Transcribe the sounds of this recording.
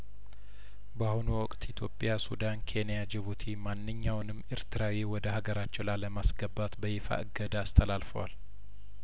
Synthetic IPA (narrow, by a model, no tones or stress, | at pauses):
bahunuwɔkʼt̪ʰit̪ʰjo̞pʼːjasud̪ankʰe̞nijad͡ʒɪβut̪ʰimanːɨɲːawnɨmːʔɨɾt̪ʰɨɾawiwɔd̪əhaɡəɾat͡ʃːɛwlaləmasɡəbːat̪bəjɪfa̰ɨɡəd̪aːst̪ʰəlalfəwa̰l